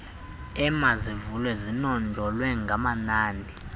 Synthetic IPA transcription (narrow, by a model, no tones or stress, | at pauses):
ɛmazivulwɛzinɔnd͡ɮʱɔlwɛŋɡʱamanaːndʱi